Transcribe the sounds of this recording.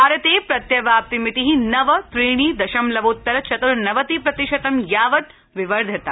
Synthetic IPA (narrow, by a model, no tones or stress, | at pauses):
ɐɾet̪eːpɾɐt̪jɐʋaːp̚t̪imit̪iɦinɐʋɐt̪ɾiːɽ̃iːd̪ɐʃɐmlɐʋut̪ːɐɾɐt͡ʃɐt̪uɾnɐʋɐt̪ipɾɐt̪iʃɐt̪ɐmjaːʋɐt̪ | ʋɪʋɐɾd̪ʱɐt̪a